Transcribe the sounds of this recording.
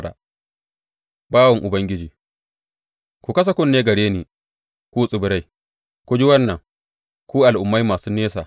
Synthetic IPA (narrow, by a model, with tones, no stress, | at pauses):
ɾa̰˨ | baː˦wɐ˨ŋʔʊ˨bɐ˦ŋɡʲɪ˦d͡ʒiː˨ | kʷu˨kɐ˦s̬a˦kʷʊ˦nːeː˦ɡɐ˨ɽeː˦niː˨ | kʷuː˦sʼɪ˨bɪ˨ɾa˦j | kʷu˨d͡ʒi˦wɐ˦nːɐ˨ŋ | kʷuː˦ʔa˨lʔʊ˨mːa˦jmaː˨suː˦neː˦s̬a̰ː˨